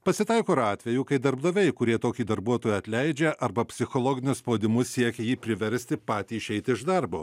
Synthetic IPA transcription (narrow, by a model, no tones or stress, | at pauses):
pɐsʲɪt̪ɐɪkoːɾɑːt̪ʲʋʲɛjuːkɐɪd̪ɐɾbd̪ɐʋʲɛɪkʊɾʲiɛt̪oːkʲiːd̪ɐɾbuɔt̪oːjɛɐt̪ʲlʲɛɪd͡ʒʲɛʔɐɾbɐpʲsʲɪxoːlˠoːɡʲɪnʲʊspoːd̪ʲɪmʊssʲiɛkʲɛjiːpʲɾʲɪʋʲɛɾʲsʲt̪ʲɪpɑːt̪ʲiːɪʃʲɛɪt̪ʲɪɪʒd̪ɐɾboː